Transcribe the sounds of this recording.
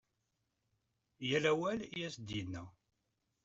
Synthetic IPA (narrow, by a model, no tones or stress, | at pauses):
jælæwæljæsd̪jənːæ